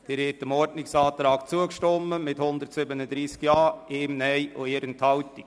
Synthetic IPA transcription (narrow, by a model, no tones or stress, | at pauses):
d̪̥ɪɾhɪtəmɔɾdnɪksɑːt̪ɾɑːkt͡suəkʃtɔmːəmɪthʊnd̪ətsɪbənəd̪ɾiːskjɑːɪːmnɛjo̰ɪːɾənthɑwtɪk